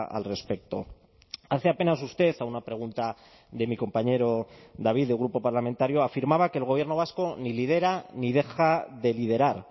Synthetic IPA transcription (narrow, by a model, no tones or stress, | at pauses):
a̰lre̞spe̞k̚t̪o̞̰ | aθeape̞nas̬ust̪e̞θaunapɾe̞ɣ̞unt̪a | ðe̞miko̞mpaɲe̞ɾo̞ðaβ̞iðeɣ̞ɾupo̞paɾlame̞nt̪aɾjo̞afiɾmaβ̞ake̞ːlɣojeno̞β̞asko̞nilið̞e̞ɾanið̞e̞xaðe̞lið̞e̞ɾaɾ